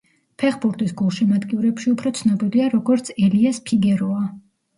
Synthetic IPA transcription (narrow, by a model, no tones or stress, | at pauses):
pʰɛχbuɾt̪ʼisɡulˠʃimad̪kʼiuɾɛpʃiupʰɾɔt̪sʰnɔbiliaɾɔɡɔɾt̪sʰɛliaspʰiɡɛɾɔa